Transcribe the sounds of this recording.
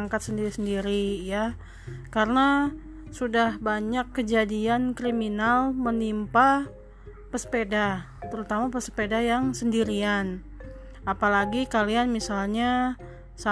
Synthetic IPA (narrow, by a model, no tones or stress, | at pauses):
ŋkat̪̚səndiɾisəndiɾija | kaɾəna | sudahbaɲakːəd͡ʒadiankɾiminalmənimpa | pəspeda | t̪əɾut̪amapəspedajaŋsəndiɾian | apalaɡikalianmisalɲa | sa